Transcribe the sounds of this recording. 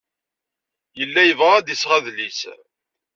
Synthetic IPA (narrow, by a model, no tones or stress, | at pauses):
jəlːæjəvʁad̪isʁæðlis